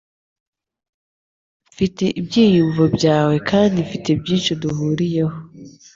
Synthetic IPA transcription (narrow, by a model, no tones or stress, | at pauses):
fite̞ʔibɟiːjuɱvobɟaːwe̞kʰaːndifitebjiːnʃiduɦuːɾije̞ho